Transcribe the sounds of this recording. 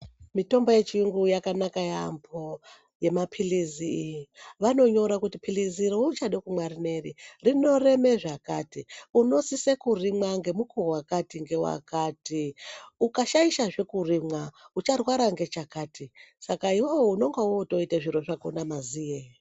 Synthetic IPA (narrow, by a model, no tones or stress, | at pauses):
mito̞mboje̞t͡ʃiuŋɡujakanakajambʰo | je̞mapʰiliziːjiʋano̞ɲo̞ɾakutipʰiliziɾout͡ʃaɗekumwarine̞ririno̞re̞me̞ʐakatiuno̞sisekurimwaŋɡe̞mukowakatiŋɡe̞wa̰kaːtiukaʃaiʃaʐe̞kurimwaut͡ʃarwaɾaŋɡe̞t͡ʃakaːtisakaiwoouno̞ŋɡawoto̞iteʐiɾo̞ʐako̰namazije